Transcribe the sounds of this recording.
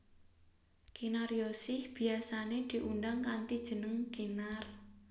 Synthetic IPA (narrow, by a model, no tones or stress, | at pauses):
kinaɾjosɪhb̥i̤asaned̪̥i̤ʔundaŋkant̪id̥ʒ̥ə̤nəŋɡ̥inar